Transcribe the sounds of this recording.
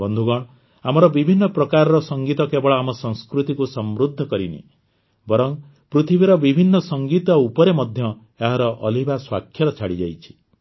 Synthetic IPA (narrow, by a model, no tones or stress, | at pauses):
bɔnd̪ʱuɡɔɽ̃ | amɔɾɔbibʱinːɔpɾɔkaɾɔɾɔsɔŋɡit̪ɔkebɔɭɔamɔsɔ̃ŋ̃skɾut̪ikusɔmɾud̪ʱːɔkɔɾinḭ | bɔɾɔŋ | pɾut̪ʰibʱiɾɔbibʱinːɔsɔŋɡit̪ɔupɔɾemɔd̪ʱjɔ | eɦaɾɔʔɔlibaswakʰːjɔɾɔt͡ʃʰaɽid͡ʒajt͡ʃʰi̥